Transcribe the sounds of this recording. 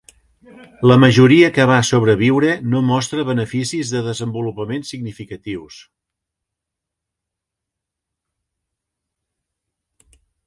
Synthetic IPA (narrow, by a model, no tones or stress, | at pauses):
ləməʒuɾiəkəβ̞asoβ̞ɾəβiwɾənomɔst̪ɾəβənəfisizðəðəzəmbulupəmensiɡnifikət̪iws